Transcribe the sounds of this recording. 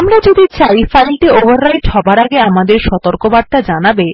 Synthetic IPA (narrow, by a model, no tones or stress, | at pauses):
amɾad͡ʑod̪it͡ɕajfajlʈeovaɾːajʈhɔbaɾaɡeamad̪eɾʃɔt̪oɾkobad̪̚t̪ad͡ʑanabe